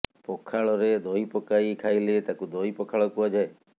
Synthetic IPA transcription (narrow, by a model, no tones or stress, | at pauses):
pɔkʰaɭɔɾed̪ɔipɔkaikʰajlet̪akud̪ɔipɔkʰaɭɔkuad͡ʒae